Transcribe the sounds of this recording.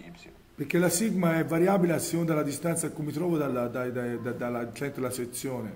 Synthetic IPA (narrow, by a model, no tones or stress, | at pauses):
peɾkːelasiɡmaɛvːaɾjaːbileasːiund̪alːad̪ist̪ant̪sakːumːit̪ɾɔːvod̪alad̪ad̪d̪d̪alat͡ʃɛnt̪ɾelaset̪sːjoːne